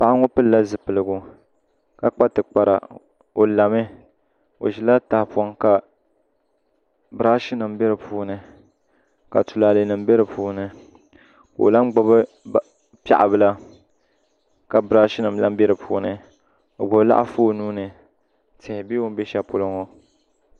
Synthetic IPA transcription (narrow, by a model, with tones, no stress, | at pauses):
pa˨ʔa˦ŋo˦pɨ˦lla˦zɨ˨pɨ˨lɨ˨ɡu˨ | ka˦k͡pa˦tɨ˨k͡pa˨ɾa̰˨ | o˨la˨mɨ˦ | o̰˨ʃi˨la˦ta˨hpa˨ŋka˨ | bɾaː˦ʃi˦nɨ˨mbɛ˦ɾɨ˨puː˦nɨ˨ | ka˨tu˨laː˨lɨ˨nɨ˨m˦be˦ɾɨ˨pʰuː˦nɨ˨ | ka˨o̰˨la˦m˦ɡ͡ba˦bɨ˦ | pʲa̰˦˨ʔa˨bɨ˦la˦ | ka˨bɾa˦ʃi˦nɨ˨mla˦m˦bɛ˦ɾɨ˨pʰuː˦nɨ˨ | o̰˨bo˨˦la̰˦ʔa̰˦foː˦nuː˦nɨ˨ | tʰɪ˨hɪ˨bi˦wo˦m˦be˦ʃa˦po˦lɨ˦ŋo˦